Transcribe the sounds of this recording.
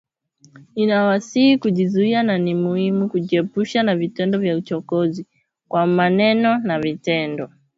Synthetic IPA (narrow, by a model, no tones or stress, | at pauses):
inawasihikuʄizuiananimuhimukuʄiɛpuʃanavitɛndɔvjaut͡ʃɔkɔzi | kwamanɛnɔnavitɛndɔ